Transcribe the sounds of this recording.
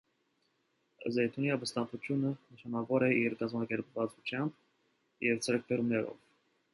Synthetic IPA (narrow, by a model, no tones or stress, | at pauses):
zɛjt̪ʰuniɑbəst̪ɑmpʰut͡ʃʰjunənəʃɑnɑvɔɾɛiɾkɑzmɑkɛɾpvɑt͡sut͡ʃʰjɑmb̚ | jɛvt͡sʰɛɾk̚bɛɾumnɛɾɔ̰v